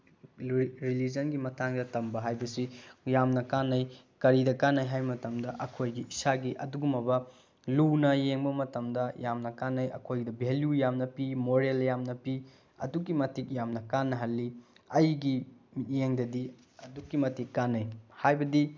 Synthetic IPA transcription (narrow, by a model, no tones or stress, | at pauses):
ɾilid͡ʒɐnɡimɐtʰaŋdɐtɐmbɐɦajbɐsijamnɐkanːɐj | kɐɾidɐkanːajɦajmɐtɐmdɐʔɐkʰojɡiʔisaɡiʔɐduɡumɐbɐ | lunɐjeŋbɐmɐtɐmdɐjamnɐkanːɐjɐ̰kʰojɡidɐbeljujamnɐpimoɾeljamnɐpi | ɐ̰dukːimɐtik̚jamnɐkanːɐɦɐlːiɐjɡitjeŋdɐdi | ɐdukːimɐtikːanːɐjhajbɐdi